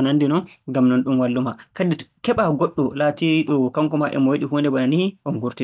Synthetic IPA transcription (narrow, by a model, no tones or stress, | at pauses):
nandinɔnɡamnɔnɗumwalːumakadi̥kɛɓaɡɔɗːɔlatiɗɔkaŋkɔmaʔɛ̰mɔwiɗiɦundɛbananiʔɔnɡuɾti